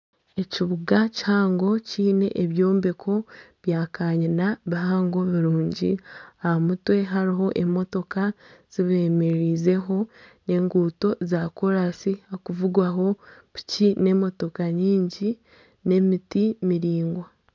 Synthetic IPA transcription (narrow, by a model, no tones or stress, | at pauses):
e̞ciβuɡachaːŋɡo̞ciːne̞̰ʔeβjo̞ːmbekʰo̞βjaːkaːɲinaβiɦaːŋɡo̞βiɾuːɲɟḭaamutwe̞ɦaɾiɦo̞ʔe̞mo̞to̞kaz̥iβe̞meɾize̞ɦo̞ne̞ːŋɡuːto̞zaːkoɾasihakuvuɡwaɦo̞βu̥cine̞mo̞to̞kaɲiːɲɟi | ne̞mitimiɾiːŋɡwa